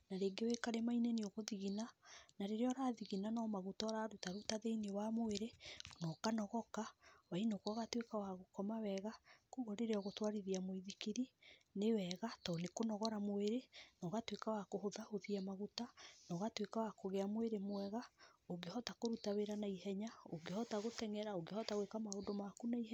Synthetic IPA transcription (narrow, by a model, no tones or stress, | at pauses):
naɾeːɡewekaɾemaineneoɣoðiɣinanaɾeɾeɔɾaðiɣinanɔmaɣutɔɾaɾutaɾutaðeinewamoeɾenɔkanɔɣɔkawainokɔɣatwekawaɣokɔmawɛɣakuɣɔɾeɾeɔɣotwaɾiɾiamoiðikiɾinewɛɣatɔnekonɔɣɔɾamoeɾenɔɣatwekawakohoðahoðiamaɣutanɔɣatwekawakoɣeamweɾemwɛɣaoɡehɔtakoɾutaweɾanaiɦɛɲaoɡehɔtaɣotɛŋɛɾaoɡehɔtaɣwekamaondomakunaiɦɛ